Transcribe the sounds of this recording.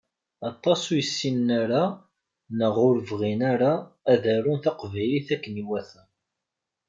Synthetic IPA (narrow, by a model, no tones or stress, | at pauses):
ɑt̪ˤːɑsujəsːinːaɾa | nəʁʊɾəvʁinaɾaːðæɾunθɑqvæjliθækːəniwæθæ